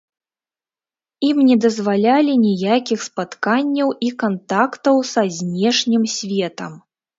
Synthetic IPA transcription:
imnʲɛd̪ɐzvalʲalʲinʲijakʲixspat̪kanʲːɐwikant̪akt̪ɐwsɐzʲnʲɛʂnʲimsʲvʲɛt̪ɐm

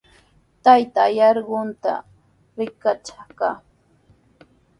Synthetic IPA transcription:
t̪ajt̪aːjɑɾɢʊnt̪a̰ | ɾɪkat͡ʃaka

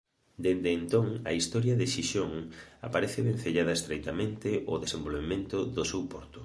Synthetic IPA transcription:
d̪end̪eːnt̪oŋa̰ist̪ɔɾjɐðɪʃiʃoŋapaɾeθɪβen̟θeʎaðɐest̪ɾejt̪amẽnt̪ɪʔʊðesembolβ̞emẽnt̪ʊðʊsewpɔɾt̪ʊ

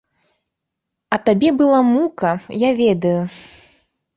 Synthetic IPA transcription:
ɐt̪abʲɛbɨlˠamukɐjavʲɛd̪ɐju

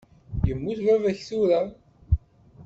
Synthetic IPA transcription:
jəmːuθvævæçθuɾa

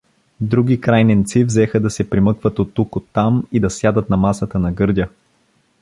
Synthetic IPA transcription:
d̪ɾuɡʲikɾajnɛnt̪sivzɛxəd̪ɐsɛpɾimɤkvət̪ot̪ːukot̪ːamid̪ɐsjad̪ət̪nɐmasət̪ənɐɡɤɾd̪ʲə

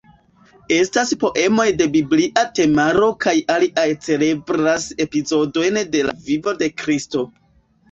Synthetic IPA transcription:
e̞staspo̞ʔe̞mo̞jde̞bibliʔate̞maɾo̞kajaliʔajt͡se̞le̞bɾase̞pizo̞do̞jnde̞la̰vivo̞de̞kɾisto̞

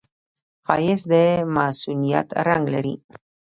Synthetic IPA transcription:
qɑjɪsd̪əmasunija̰t̪ɾaŋɡlaɾḭ

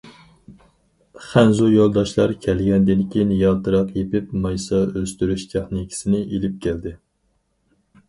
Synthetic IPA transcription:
χænzujolˠd̪ɑʃlˠɑɾkʲʰɛlɡʲɛnd̪ɪnkʲejinjɑːt̪ɨɾɑqjepɪpmɑjsɑøst̪yɾyʃt̪ʰeχnɪkʲʰi̥sɪnɪʔelɪp̚kʲʰæld̪ɪ

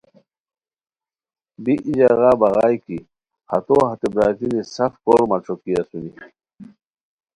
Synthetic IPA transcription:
biʔid͡ʑaɣaːbɐɣaːjki | hɐ̰t̪oːhɐt̪ebɾaːt̪inisɐfkoːɾmɐʈ͡ʂʰokiɐsuni

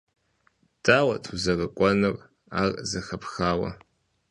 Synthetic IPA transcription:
d̥ʼaːwɐtʰuzɐrɐkʷʼɔnɨr | a̰ːrzɐxɐpxaːwɐ̰

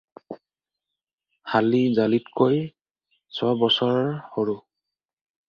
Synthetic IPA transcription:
halizalitkoj | sʰɔbɔsɔɹɔɹhoɹu

